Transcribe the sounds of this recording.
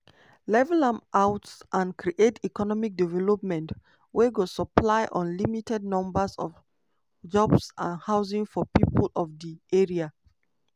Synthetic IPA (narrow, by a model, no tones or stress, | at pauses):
lɛvɛlãmʔaʊtsʔãnkʰɹiʔetikɔnɔmik̚divɛlɔp̚mɛ̃nt | weɡosəplaɪʔɔ̃nlimitɛd̚nɔ̃mbəsɔ̰v | d͡ʒɔbsãnhaʊzĩŋfɔpipəlɔvdiʔeɹia